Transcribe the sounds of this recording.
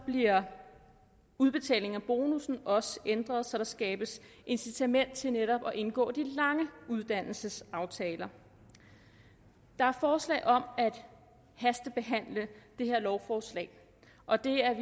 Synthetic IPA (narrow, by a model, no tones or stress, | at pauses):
b̥liɐ | uð̞ˠb̥e̝t͡sʰɛ̰ːle̝ŋæb̥o̝ːnusn̩ɒ̽səʔend̥ʁɐð̞̩ˠsɒ̽ɾ̥ɑ̈sɡ̥ɛːb̥əsʔe̝nsit͡sʰæmen̰d̥̚t͡sʰe̝neɾɒ̽b̥ɒ̽ʔe̝nɡ̥ɔ̰ːd̥ilɑ̈ŋəuð̞ˠd̥æn̰l̩səsɑ̈ʊt͡sʰɛːlɐ | d̥ɑ̈æɐfɒːslɛ̰ːɪʔɒ̽mæd̥ | hæsd̥əb̥e̝ɦæn̰ləd̥e̝he̝ɐ̰lɒʊfɒːslɛ̰ɪ | ʔɒ̽d̥e̝æɐ